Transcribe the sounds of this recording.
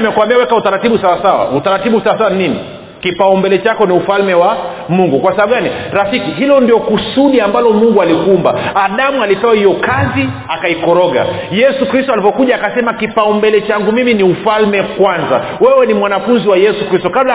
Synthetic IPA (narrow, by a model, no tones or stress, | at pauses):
mɛkwambiawɛkautaɾatiɓusawasawa̰utaɾatiɓusawasawanininḭ | kipaumbɛlɛt͡ʃakɔniufalmɛwa | muŋɡukwasaaɓuɡaniɾafikiɦilɔndiɔkusuɗiambalɔmuŋɡualikumba̰aɗamualipɛwahijɔkazi | akaikɔɾɔɡa̰ | jɛsukɾistɔalivɔkuʄaːkasɛmakipaumbɛlɛt͡ʃaŋɡumiminiufalmɛkwanza̰ | wɛwɛnimwanafunziwajɛsukɾistɔkabla